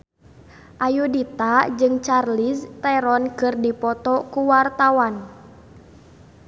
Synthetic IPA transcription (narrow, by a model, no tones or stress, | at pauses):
ʔajudit̪ad͡ʒɨŋt͡ʃarlist̪ɛɾɔnkɨrdipɔt̪ɔkuwart̪awan